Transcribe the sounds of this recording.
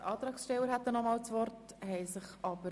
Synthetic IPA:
ʔɑːt̪ɾɑːksʃtɛwəɾɦæt̪ːənɔmɑːlt͡svɔɾthɛɪsɪχɑb̥ə

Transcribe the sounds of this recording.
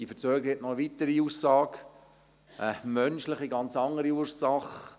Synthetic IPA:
ifət͡søːɡəɛtnɔəʋit̪əɾiuːssɑːk | ʔəmœnʃlɪχiɡɑnt͡sɑŋːəɾiuɾsɑχ

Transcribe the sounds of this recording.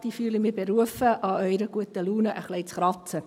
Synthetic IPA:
d̥̪iːfyːləmɪːbeɾuəfəʔɑœʏɾəɡ̥uət̪əluːnəʔəχleɪt͡sχɾɑt͡sə

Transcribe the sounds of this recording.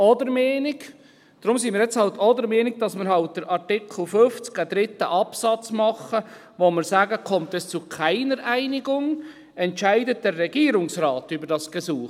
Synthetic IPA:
ɔdəɾmɛːnɪɡ | d̥ɾʊmsinmiːɾjɛt͡shɑltʰɔdəɾmɛːnɪɡ̥̚d̥ɑsmɪɾhɑlt̚d̥əɾʔɑɾtɪkʰl̩ˠfʏft͡skəd̥ɾɪtːəʔɑpsɑt͡smɑχə | ʋomɪɾsæːɡəkʰɔmtɛst͡sukʰæɪnəɾʔæɪnɪɡʊŋ | ɛntʃæɪdət̚d̥ɛrːɛɡ̥iːɾʊŋsrɑːtybəɾdɑsɡ̥əsuː

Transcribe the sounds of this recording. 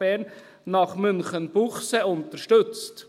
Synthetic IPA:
ɛnː | ɑχmʏnχənb̥uχseʊntəɾʃtʏt͡st

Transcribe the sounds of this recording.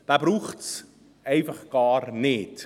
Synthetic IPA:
d̥ɑːbɾuχts | ɛjfəχkɑːrnɛt

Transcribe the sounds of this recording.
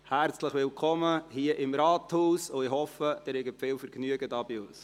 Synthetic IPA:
hæɾt͡sləχʋɪlkʰɔməhiəʔɪmɾɑːt̪huːsʊɪhɔfəd̥ɪɾhɛɡəpfɪːlfəɾɡnyəɡədɑːbɪʊs

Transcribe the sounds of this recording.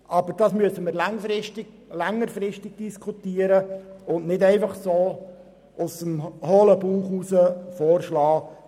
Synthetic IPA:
ʔɑb̥əɾd̥ɑːsmyəsəməɾlɛŋfɾɪʃtɪ̥ | læŋːəɾfɾɪʃtɪɡ̥̚d̥iskʰutiəɾəʊnnɪdɛɪfɑχsoː | ʔʊsəmhoːləbuːχusəfɔːrʃlɑː

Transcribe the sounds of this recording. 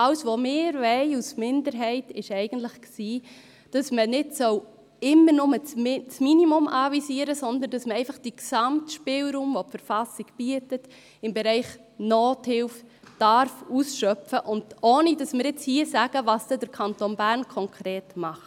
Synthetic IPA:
ɑwsʋomɪːɾvɛɪusmɪndəɾɦɛɪtɪʃɛɪɡ̥ən̩tlɪχksiː | d̥ɑsmənɪdsœw | ɪmːənʊmət͡st͡sminimʊmɑvisiːəɾəsɔnd̪əndɑsməɛɪfɑχd̥iksɑmtʃpɪlɾuːmvopfəɾfɑsiɡ̥b̥yətət | ɪmbeɾɛɪχ | noːthɪlf | d̥ɑɾfuːsʃœfəʔʊndʔoːnidɑsmɪːɾjɪt͡shiːəsæɡəvɑːsdɛd̥əɾkʰɑntoːnbæːɾnkʰɔŋkʰɾeːtmɑχt

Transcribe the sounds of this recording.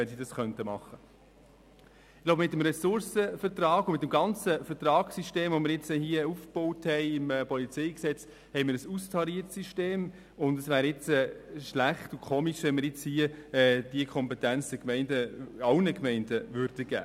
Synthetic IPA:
ʋɛnsidɑsχœntəmɑχːə | ɪɡ̥loʊbəmɪt̪ːəmɾɛsʊɾsəfəɾtɾɑːɡʊmɪtːəmɡɑnt͡səfətɾɑːksiʃteːmvomɪɾjɪt͡sɛhiəufb̥ɔʊthɛɪɪmɛpɔlit͡sɛɪksɛt͡s | hɛɪmɪːɾəsustʰɑɾiətsiʃteːm | ʊndəsʋæːɾɪt͡sɛːʃlæχtukʰoːmiʃʋɛnməɾjɪt͡shiəɛd̥iəkʰɔmpɛtænt͡sd̥ɛkmɛɪndəɑʊnəkmɛɪndəvʏɾdəɡ̥æ̰ː

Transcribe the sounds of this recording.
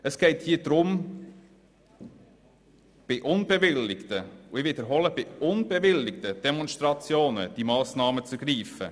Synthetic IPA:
əsɡ̥ɛɪthiːd̪ɾʊm | b̥ɪʔʊnb̥ɛvɪlːɪktəʊɪvɪd̪əɾɦɔləb̥ɪʊnb̥ɛvɪlːɪkt̪əd̪̥ɛmɔnʃtɾɑt͡sjoːnə̰d̥imɑːsnɑːmət͡sɛɡ̥ɾiːfə̰

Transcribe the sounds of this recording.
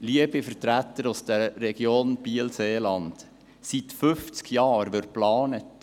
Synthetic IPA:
liəbifəɾtɾætəɾusd̥əɾːɛɡ̥joːnb̥iəlseːlɑnd | sitfʏft͡skjɑːɾʋɪt̚plɑːnət

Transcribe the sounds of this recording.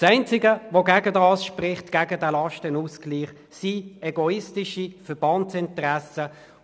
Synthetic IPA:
sɛɪnt͡sɪɡəʋoɡæɡədɑːsʃprɪχtɡ̥æːɡədɛlɑʃtɪnuskliːχ | siɛɡɔɪstɪʃifəb̥ɑntsɪntəʁæsə

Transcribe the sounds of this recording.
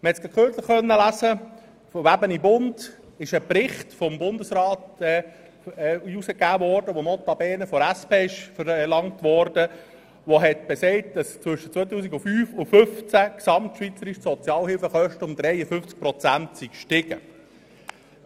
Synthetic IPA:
məhɛtsɡ̥ɑtkχøt͡sləχχœnːəlæsə | fɔʋæbənibʊnd̥ | ɪʃəpɾɪχtfɔmbʊndəsɾɑːtɛ | usəkæːʋɔɾd̥əʋomɔt̪ɑb̥ɛːnəfɔɾæspeːɪʃfəɾlɑŋtʋɔɾd̥ə | ʋoɦɛtb̥esɛɪt̚d̥ɑst͡sʋɵʃət͡sʋɔɪt̪uːsiɡʊfyːfʊfɵft͡sæksɑmtʃʋit͡səɾiʃsɔt͡sjɑːlhɪlfəχœʃtəʊmd̪ɾɛɪəfʏft͡sk̚pɾɔt͡sæntsikʃtɪɡ̥ə

